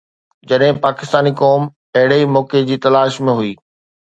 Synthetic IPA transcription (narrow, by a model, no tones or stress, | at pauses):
d͡ʑɐɗɦɪ̃paːkɪst̪aːnikɔːm | ɐɦɪɽeimɔːked͡ʑiːt̪ɐlaːʃmẽɦuiː